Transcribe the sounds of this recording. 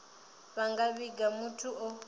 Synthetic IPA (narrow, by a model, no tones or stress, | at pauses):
βaŋɡaβiɡamutʰuʔɔ